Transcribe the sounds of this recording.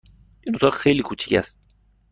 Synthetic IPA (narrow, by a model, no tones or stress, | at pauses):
ʔind̪ot̪ɒːxejliːkʰuːt͡ʃʰi̥cʰæ̰st̪̚